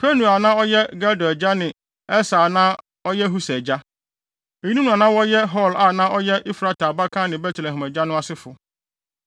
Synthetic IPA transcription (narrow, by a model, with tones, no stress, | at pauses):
pʰɛ˦nu˨a˨nã˦ɔ˦jɛ˦ɡa˦dɔ˨d͡ʑa˦nɪ̃˨ | ɛ˦saː˨nã˦ | ɔ˦jɛ˦ɦu˦sɛ˨d͡ʑa˦ | e˨ji˦nũ˦nũ˨ã˨nã˦wɔ˦jɛ˦ɦɔ˦˨la˦˨nã˦ʔɔ˦jɛ˦ʔi˦fɾa˦tʰa˨ba˦kʰã˦nɪ̃˨bɛ˦tʰlɛ̃˨ɦɪ̃˨mæ˨d͡ʑa˦nʊ̃˦a˦sɪ˦fʊ˨